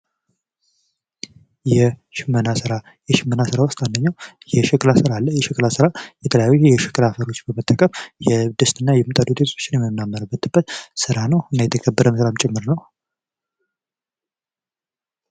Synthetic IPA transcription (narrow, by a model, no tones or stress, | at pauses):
jɛʃɪmːənasɨɾa | jɛʃɪmːənasɨɾawʊst̪and̪əɲːaw | jɛʃɪkʼlasɨɾalːəjɛʃɪkʼlasɨɾajɛt̪ʰələjajːujɛʃɪ̥kʼlafəɾo̞t͡ʃːbəmət̪ʼːəkʼəmjɛd̪ɨst̪ʼɨnːajɛmɨt̪ʼad̪ud̪et̪ʰo̥t͡ʃːɪnjɛmənːamːəɾəbːət̪ʰɨbːət̪sɨɾanəwɨnːajɛt̪ʰəkʰəbːəɾəməsɾamt͡ʃʼɪmːɨɾnəw